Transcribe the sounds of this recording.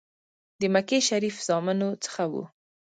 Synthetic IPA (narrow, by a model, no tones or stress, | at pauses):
d̪əmakeʃaɾifz̥ɑmɪnot͡sə̥xawṵ